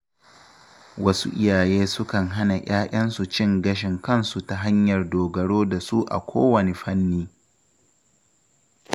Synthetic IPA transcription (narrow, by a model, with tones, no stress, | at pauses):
wɐ˦sṵ˦ʔɪ˦jaː˨jeː˦sʊ˦kɐ˨ŋɦa˦na˨j̰ʲaː˦ʔʲɐ˦nsu˨t͡ʃɪ˦˨ŋɡɐ˦ʃ̬ɪ˨ŋkɐ˦˨nsu˨ta˨ɦa˦ɲjɐ˨rdoː˨ɡɐ˨ɽoː˦da˨su˦ʔa̰˨kʷʰoː˦wɐ˨ne˨ɸɐ˦nːiː˦